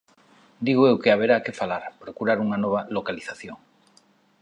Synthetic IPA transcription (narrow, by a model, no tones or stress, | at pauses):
d̪iɣoewkeaβ̞eɾakefalaɾpɾokuɾaɾuŋanɔβ̞alokaliθaθjoŋ